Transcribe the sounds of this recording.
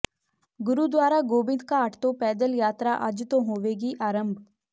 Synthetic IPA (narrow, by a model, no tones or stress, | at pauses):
ɡʊɾuːd̪waːɾaːɡoːbɪ̃nd̪kaːʈt̪õːpɛːd̪əljaːt̪ɾaːʔəd͡ʒt̪õːɦoːʋeːɡiːʔaːɾəmb